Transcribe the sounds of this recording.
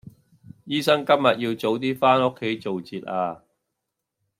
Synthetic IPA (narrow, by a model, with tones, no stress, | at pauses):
jiː˥sɐ˥ŋkɐ˥mjɐ˨t̚jiː˧wt͡so˨˥wt̪̬iː˥faː˥nʊ˥kʰːe˨˥jt͡so˨wt͡siː˨t̚aː˧